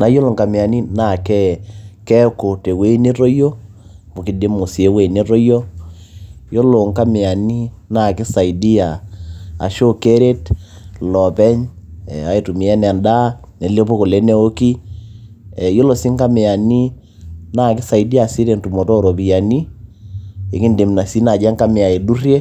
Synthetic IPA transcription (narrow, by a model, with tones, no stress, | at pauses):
na˨˦jo˦lo˨ŋka˨me˨a˨ni˦na˨kɛ˦kɛ˦ko˨te˨we˦ne˦to˦jo˦ | bo˨ki˨de˦mo˨si˨e˦we˨ne˦to˦jo˦ | jo˦lo˨ŋka˦me˨a˨ni˦na˦˨kɪ˦sa˨i˨di˦ja˨a̰˨ʃo˦ke˦ɾe˦t | lɔ˨pɛ˦ɲ̰˨a˨i˨tu˨mi˨ɛ˦n˨a˨nda˦ | ne˨le˦po˦ko˨le˨˦nɛ˦o˦ki˦˨ | jo˦lo˨si˦ŋka˦me˨a˨ni˦ | na˨kɪ˦sa˨i˨di˦a˨si˦ɾe˨ntu˨mo˨tɔ˦˨ɾo˨pi˨a˨ni˦ | e˨ki˦nde˨mna˨si˦na˨d͡ʒa˦ŋka˦me˨a˨e˨du˦rje˦